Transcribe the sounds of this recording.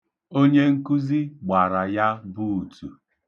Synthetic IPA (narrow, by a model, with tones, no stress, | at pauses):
o˦ɲe˦ŋ̩˦ku˦zi˦ɡ͡ba˨ɾa˨ja˦bu˦u˨tu˨